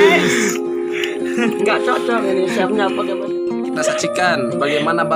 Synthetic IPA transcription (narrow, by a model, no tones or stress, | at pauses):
ŋɡaʔt͡ʃɔt͡ʃɔŋinisiapɲapaɡamana | kit̪asat͡ʃikanbaɡajmanaba